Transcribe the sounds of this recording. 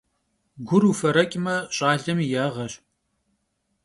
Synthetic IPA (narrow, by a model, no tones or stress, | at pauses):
ɡʷʊɾufɐɾɐkʲʼɪmɐɕʼaːɮɐmjaːʁɐɕ